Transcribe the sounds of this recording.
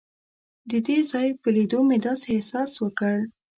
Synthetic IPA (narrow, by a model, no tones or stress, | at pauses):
d̪əd̪ezɑjpəled̪omed̪ɑsesɑswəkəɽ